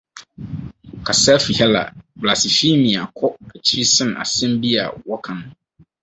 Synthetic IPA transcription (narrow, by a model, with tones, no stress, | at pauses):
kʰa˨sa˦fi˨hɛ˦la̰˨bla˨sɪ˨fi˦mĩ˨a˨kʰɔ˦ɛ˨t͡ɕʰɾi˦sɪ̃˦n˨a̰˨sɛ̃˦mbi˦a̰˨wɔ˦kʰã˨nʊ̃˦